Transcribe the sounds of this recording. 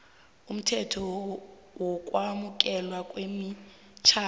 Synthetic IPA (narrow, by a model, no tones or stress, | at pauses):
um̩tʰɛtʰɔ | wɔkʼwamukʼɛlwakʼwemi | t͡ʃʰaː